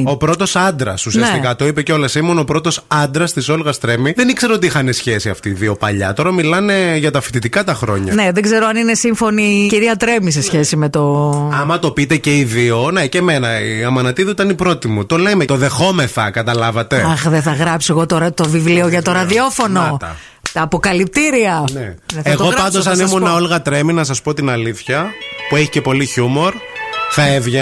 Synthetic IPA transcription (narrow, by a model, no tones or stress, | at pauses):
o̞pɾo̞t̪o̞sɐnd̪ɾɐsusniɐst̪ikɐt̪o̞ipeceo̞lɐsimonopɾo̞t̪o̞sɐnd̪ɾɐst̪iso̞lɣɐst̪ɾe̞miðenikse̞ɾeot̪iixɐnesçe̞siɐft̪iːðio̞pɐʎɐ̰t̪o̞ɾɐmilɐne̞ʝɐt̪ɐfi̥t̪it̪ikɐt̪ɐxɾo̞̰ɲɐ̰ne̞ðeɡzeɾoɐninesiɱfo̞niciɾiɐt̪ɾemis̬e̞sçe̞simet̪o̞ɐmɐt̪o̞pit̪e̞ceiðio̞neceme̞nɐiɐmɐnɐt̪iðuit̪ɐnipɾo̞t̪imut̪o̞lemet̪o̞ðe̞xo̞meθɐkɐt̪ɐlɐvɐt̪e̞ɐxðeθɐɣɾɐpseɣot̪oɾɐt̪ovivlio̞ʝɐt̪o̞ɾɐðio̞fo̞no̞t̪ | t̪ɐːpo̞kɐlip̚t̪iɾiɐneeθɐet̪oɾpɐnd̪os̬ɐnimunɐolɣɐt̪ɾeminɐsɐspo̞t̪inɐliθçɐpueçi̥ce̞po̞liçumo̞ɾθɐevʝe